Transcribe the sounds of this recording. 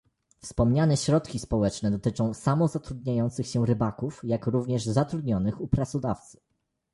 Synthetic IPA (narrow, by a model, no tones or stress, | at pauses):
fspɔmɲanɛɕɾɔt̪kʲispɔwɛt͡ʂnɛd̪ɔt̪ɘt͡ʂɔ̃w̃samɔzat̪ɾud̪ɲajɔnt̪sɘxɕɛɾɘbakufjakɾuvɲɛʐzat̪ɾud̪ɲɔnɘxupɾat̪sɔd̪aft̪sɘ̥